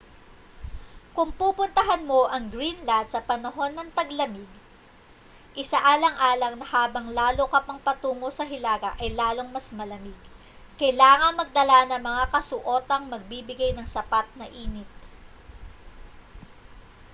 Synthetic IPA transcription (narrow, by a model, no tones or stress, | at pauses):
kʊŋpuːpʊnt̪ɐɦɐnmo̞ʔɐŋɡɾinlad̪sɐpɐnɐɦo̞nːɐŋt̪ɐɡlɐmɪɡ | ʔɪsaʔaːlɐŋʔaːlɐŋnɐhaːbɐŋlaːlokɐpɐŋpɐt̪uːmosɐɦɪlaːɡɐʔɐjlaːlo̞ŋmɐsmɐlɐmɪɡ | kɐjlaːŋɐŋmɐɡ̚d̪ɐlanɐŋmɐŋakɐsʊʔo̞ːt̪ɐŋmɐɡ̚bibɪɡajnɐŋsɐpat̪̚nɐʔiːnɪt̪̚